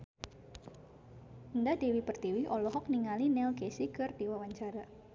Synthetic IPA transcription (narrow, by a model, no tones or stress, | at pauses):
əndadewipərt̪iwiʔɔlɔɦɔk̚niŋalinɛlɡesikɨrd̥iwawaɲt͡ʃaɾa